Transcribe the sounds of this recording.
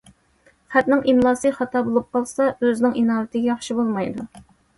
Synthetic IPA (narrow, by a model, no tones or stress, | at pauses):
χæt̪nɪŋʔimlˠɑːsɨχɑt̪ʰɑːbolˠup̚qʰɑlˠsɑøzɪnɪŋinɑːɾɪt̪ʰɪɡʲɛjɑχʃibolˠmɑjd̪u